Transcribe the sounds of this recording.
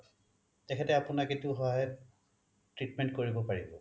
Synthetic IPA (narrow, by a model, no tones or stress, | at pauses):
tɛkʰɛtɛapʊnaketiuʊɦɔɦajɛ | tɹitmɛnt̚koɹibɔpaɹibɔ̰